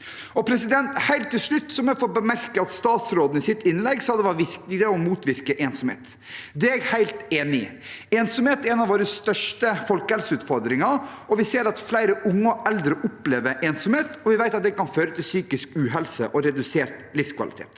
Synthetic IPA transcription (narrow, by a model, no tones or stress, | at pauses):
ɔpʰɾɛsɪd̪ɛnt̪hæɪlt̪ːɪlʂɭʉt̪ːsɔmɛfɔt̪̚bəmæɾkəɑt̪st̪ɑːt̪sɾoːd̪n̩ɪsɪt̪ːɪnlɛɡsɑd̪ɛʋɑɾʋɪɾknɪd̪əɔmuːt̪ʋɪɾkəʔeːnsɔmhḛːt̪ | d̪ɛæɾhæɪlt̪eːnɪ | eːnsɔmheːt̪ɾɛnɑʋoːɾəst̪œʂʈəfɔlkəhɛlsəʉːt̪fɔɾd̪ɾɪŋɑɾɔʋɪseːɾɑt̪flæɪɾəʔʊŋːəɔʔɛld̪ɾəʔʊpleːʋəʔeːnsɔmheːt̪ɔʋɪʋæɪɑt̪̚d̪ɛkɑnføːɾət̪ʰɪlsyːkɪskʉːɦɛlsə̰ʔɔɾɛd̪ʉseːɾt̪lɪfskʰʋɑ̰lɪ̰t̪ʰḛːt̪